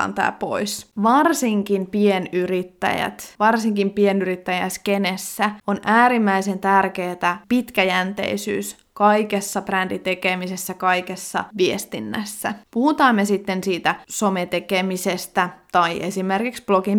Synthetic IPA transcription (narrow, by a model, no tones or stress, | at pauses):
ɑ̰nt̪ɑ̰ːpo̰isʋɑrsiŋkinpienyɾit̪ːæ̰jæ̰t̪ʋɑrsiŋkimpienyɾit̪ːæjæskenesːæonʔæːɾimːæise̞nt̪ærkeːt̪æpit̪kæjænt̪ḛisy̰ːs | kɑikesːɑprændit̪ekemisesːækɑijkesːɑ̰ʋiest̪inːæ̰sːæ̰puhut̪ɑːmːesit̪ːensiːt̪æsomet̪ekemisest̪æt̪ɑiʔesimerkiksb̥lokim